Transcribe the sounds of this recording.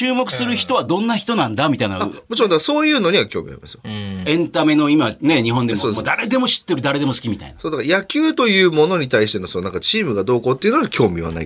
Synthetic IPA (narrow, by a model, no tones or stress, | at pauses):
ɨːmo̞kɯ̟̥sɨɾɯ̟çi̥t̪o̞βad̪õ̞nːaçi̥t̪o̞nãnd̪amit̪aina̰amot͡ɕiɾõd̪akaso̞ːjɯ̟ːno̞ɲ̟iβakʲo̞ːmʲḭa̰ɾʲima̰sɨ̥joẽ̞nt̪ame̞no̞imane̞ɲ̟iɦõ̞nd̪emsomːd̪aɾe̞d̪e̞mo̞ɕi̥t̪ːe̞ɾɯ̟d̪aɾe̞d̪e̞mo̞sɨ̥kʲimʲit̪a̰inasoːd̪akaɾajakʲɨːt̪o̞jɯ̟ːmo̞no̞ɲ̟it̪aiɕi̥t̪e̞nosonãŋkat͡ɕiːmɯ̟ɡad̪o̞ːko̞ːt̪ːeiɯ̟noɡakʲʰo̞ːmʲiβ̞a̰na̰ḭ